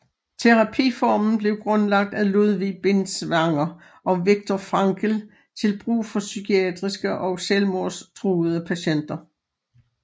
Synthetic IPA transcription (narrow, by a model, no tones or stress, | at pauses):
t͡sʰe̝ʁɑ̈pʰḭːfɒmn̩b̥le̝ʊɡ̥ʁɔ̽nlɑ̈ɡ̥̚d̥æluðˠʋib̥e̝nsʋɑ̈ŋɐ | ʔɒ̽ʋiɡ̥̚t͡sʰɒfʁɑ̈ŋɡ̥ʰəl | t͡sʰe̝lb̥ʁṵːfɒ̽sykʰiɛd̥ʁisɡ̥əʔɒ̽ʊselmoɐst͡sʰʁuːð̩ˠəpʰæɕen̰d̥ɐ